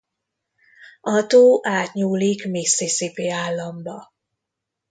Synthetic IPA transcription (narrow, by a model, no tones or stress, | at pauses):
ɒt̪oːʔaːt̪ɲuːlikmeːseːsepeːaːlːɒmbɒ